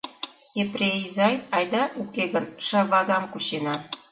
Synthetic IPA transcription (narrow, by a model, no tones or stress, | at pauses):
eprʲeizɑjɑjd̪ɑʔukeɣə̆nʃɑβɑɣɑmkut͡ɕenɑ